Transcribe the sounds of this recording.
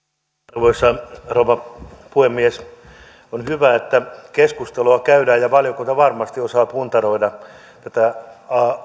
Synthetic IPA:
rʋoisːɑrouʋɑpuhemːies | onhyʋæet̪ːækeskust̪eloɑkæydæːjɑʋɑljokunt̪æʋɑrmɑst̪iosɑːpunt̪ɑroidɑ | t̪æt̪æɑ

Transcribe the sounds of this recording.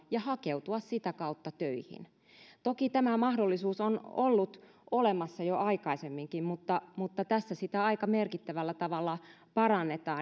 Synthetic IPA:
jɑhɑkeut̪uɑssit̪ækɑut̪ːɑt̪øihḭn | t̪okit̪æmæmɑhdolːisuːsonolːut̪ | ʔolemɑsːɑjoʔɑikɑisemːiŋkimmut̪ːɑmut̪ːɑt̪æsːæsit̪æɑikɑmerkit̪ːæʋælːæt̪ɑʋɑlːɑ | pɑrɑnːet̪ɑː

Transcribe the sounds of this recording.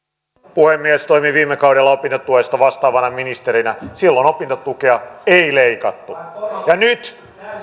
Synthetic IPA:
puhemːiæst̪oimiʋiːmːekɑuɾelːɑopint̪ot̪uhest̪ɑʋɑst̪ɑːʋɑnɑminist̪eɾinæsilːonopint̪ot̪ukeɑeileikɑt̪ːujɑnyt̪

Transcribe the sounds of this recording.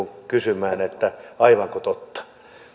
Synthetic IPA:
uŋkysymæːnet̪ːæɑiʋɑŋkot̪ot̪ːɑ̥

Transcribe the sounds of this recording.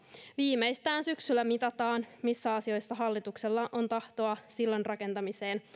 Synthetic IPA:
ʋiːme̞jst̪æːnsyksylːæmit̪ɑt̪ɑːnmisːæɑsio̞jsːɑɦɑlːit̪ukse̞lːɑʔont̪ɑht̪o̞ɑsilːonrɑke̞nt̪ɑmise̞ːn

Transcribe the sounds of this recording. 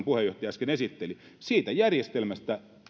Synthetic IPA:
mpuhejoht̪ɑjɑˑskenesit̪ːeli | siːt̪æjærjest̪elmæst̪æ

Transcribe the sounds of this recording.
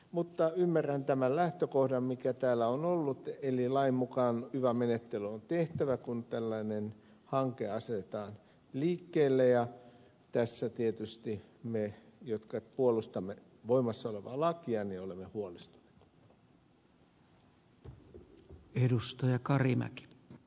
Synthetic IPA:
mut̪ːɑymːærænt̪æmællæht̪økohdɑmmikæt̪æːlːæonolːut̪elilɑimmukɑːnhyʋæmenet̪ːelyont̪eht̪æʋækunt̪ælːɑinen | hɑŋkeɑset̪et̪ɑːn | liːkːeːlːejɑ | t̪æsːæt̪iet̪yst̪imejot̪kɑpuolust̪ɑmːe | ʋoimɑsːɑoleʋɑ̰lɑkiɑniolemːehuolist̪u̥ne̥t̪ | edust̪ɑjɑkɑrimæ̰ki̥p

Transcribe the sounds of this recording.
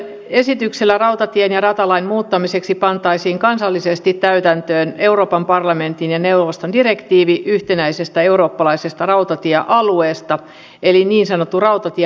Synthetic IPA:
esit̪ykselːærɑwt̪ɑt̪ienjɑrɑt̪ɑlɑinmuːt̪ːɑmiseksipɑnt̪ɑisiːŋkɑnsɑlːisest̪it̪tæyt̪ænt̪øːne̞uro̞ːpɑmpɑrlɑment̪injɑneuʋʋost̪ondirekt̪iːʋiʔyht̪enæisest̪æeuro̞ːpːɑlɑisest̪ɑrɑut̪ɑt̪ieʔɑlueːst̪ɑ | eliniːnsɑnot̪ːurɑut̪ɑt̪ie

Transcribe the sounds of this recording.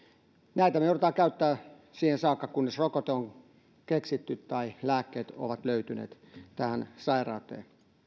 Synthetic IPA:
næˑit̪æmeoret̪ɑːkæyt̪ːæː | siːhensɑːkːɑkunːesrokot̪eoŋ | keksit̪ːyt̪t̪ɑilæːkːeːt̪o̰ʋɑt̪løyt̪ynḛːt̪ | t̪æhænsɑirɑ̰ːt̪ˑḛːn

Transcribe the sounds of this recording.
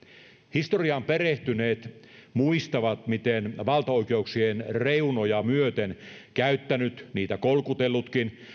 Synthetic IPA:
hist̪oriɑmpereht̪yneːt̪muist̪ɑʋɑt̪mit̪enʋɑlt̪ɑoikeuksienreunojɑmyøt̪enkæyt̪ːænyt̪niːt̪ækolkut̪elːut̪kin

